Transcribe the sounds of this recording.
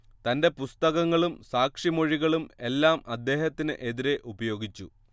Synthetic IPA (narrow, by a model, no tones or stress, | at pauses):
t̪ɐnde̞pust̪ɐɣɐŋːɐɭumsaːkʂimo̞ɻiɣɐɭume̞lːaːmɐd̪ːe̞ːhɐt̪ːinɨ̰ʔe̞ðiɾe̞ʔubɐjo̞ːɡit͡ɕːu